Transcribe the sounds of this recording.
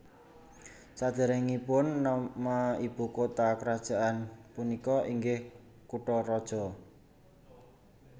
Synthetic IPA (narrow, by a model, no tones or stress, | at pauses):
sad̪̥ɛ̤ɾɛŋipʊnːamaib̥ṳkot̪akəɾad̥ʒ̥a̤ʔanpunikɔʔiŋɡɪh | kuʈɔɾɔd̥ʒ̥ɔ̤